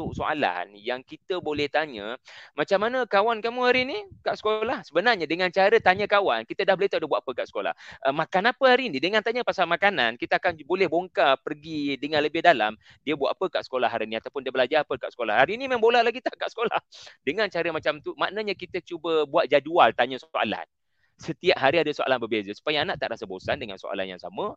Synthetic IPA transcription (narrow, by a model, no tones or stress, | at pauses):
t̪ʊksoa̰la̰njaŋkit̪əbolɛht̪aɲəmat͡ʃamːanəkawankamuhaɾinikaʔsə̥kolahsəbənarɲədəŋant͡ʃaɾət̪aɲəkawankit̪ədahbolit̪aʔdiəbuaʔ̪apəkaʔsə̥kola̰hʔəmakanapəhaɾinidəŋant̪aɲəpasalmakanankit̪əakanbolɛhboŋkapərɡidəŋanləbɪhdala̰m | diəbua̰ʔ̪apəka̰ʔsə̥kolaɦaɾiniat̪awpʊndiəbəlad͡ʒapəkaʔsəkola̰haɾinimambolahlaɡit̪aʔkaʔsə̥kola̰hdəŋant͡ʃaɾəmat͡ʃamt̪umaʔnəɲakit̪ət͡ʃubəbuat̪̚d͡ʒadualt̪aɲəsoʔa̰la̰n | sət̪iaʔɦaɾiadəsoʔa̰lanbərbezəsu̥pajaːnaʔt̪a̰ʔɾasabosandəŋa̰nso̰ʔa̰la̰nja̰ŋsa̰mə